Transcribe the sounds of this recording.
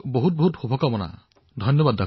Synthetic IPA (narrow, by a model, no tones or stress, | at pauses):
boɦut̚boɦutxubʱɔkamɔna̰ | dʱɔjnjɔbad̪ːa